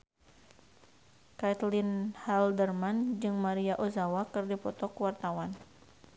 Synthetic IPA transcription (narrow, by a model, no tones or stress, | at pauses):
kat̪lɪnhaldərmand͡ʒɨŋmaɾiaʔozawakɨrdipɔt̪ɔkwart̪awan